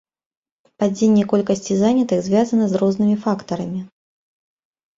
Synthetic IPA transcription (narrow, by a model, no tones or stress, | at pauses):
pad͡zʲenʲːɛkɔlʲkɐsʲt͡sʲizanʲɐt̪ɨxzʲvʲazɐnɐzrɔznɨmʲifakt̪ɐɾɐmʲi